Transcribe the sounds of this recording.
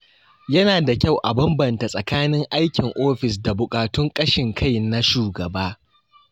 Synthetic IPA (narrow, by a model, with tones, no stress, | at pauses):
jɐ˦naː˨da˨kʲa˦˨wʔa˨bɐ˦mbɐ˨nta˨sʼɐ˨kaː˦nɪ˦ŋʔa˦jkʲɪ˨ŋʔoː˦ɸɪ˨s̬da˨bʊ˨kʼaː˨tʊ˦ŋkʼɐ˦ʃɪ˨ŋkʰa˦jna˦ʃuː˨ɡɐ˨baː˦